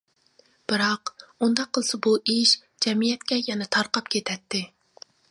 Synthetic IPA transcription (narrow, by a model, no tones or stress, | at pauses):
b̥ɨɾɑqund̪ɑqʰːəlˠɨsɨbuʔiʃ | d͡ʒɛmijɛt̪kʲɛjɛnɛt̪ʰɑɾqɑpkʲʰet̪ʰɛt̪ʰːɪ